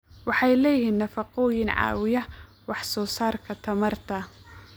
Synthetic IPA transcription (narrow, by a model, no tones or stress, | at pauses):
wɑħɑjlɛːjiːnːɐfɑqɔːjɪnʕɑ̰ːwɪjɐ | wɑħsɔːsaːrkʰɐt̪ʰɐmɐrt̪ʰɐ